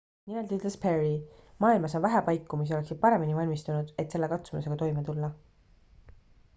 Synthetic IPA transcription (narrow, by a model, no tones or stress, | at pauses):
nimelt̪et̪lespʰe̞rimɑːilmɑso̞nvæɦæpɑjkːˑumis̬io̞le̞ksid̪̚pɑɾe̞minivɑlʲmist̪unud̪̥e̞t̪selːe̞kɑt̪sumḭse̞ɡɑt̪o̞jmet̪ulːɑ